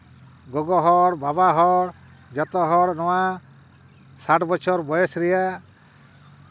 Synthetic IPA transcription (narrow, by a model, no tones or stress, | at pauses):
ɡɔɡɔɦɔɽbabaɦɔɽ | d͡ʒɔt̪ɔɦɔɽnɔwa | saʈbɔt͡ʃʰɔɾbɔjɛsɾɛja